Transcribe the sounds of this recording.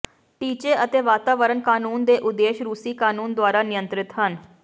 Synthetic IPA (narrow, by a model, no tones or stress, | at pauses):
ʈiːt͡ʃeːʔət̪eːʋaːt̪aːʋəɾənkaːnuːnd̪eːʔʊd̪eːʃɾuːsiːkaːnuːnd̪waːɾaːnɪjənt̪ɾɪt̪ɦən